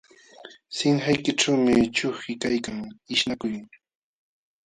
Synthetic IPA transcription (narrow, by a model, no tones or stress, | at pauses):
sɪŋhajkɪʈ͡ʂawmɪt͡ʃʊχɪkajkaŋɪʃnakʊj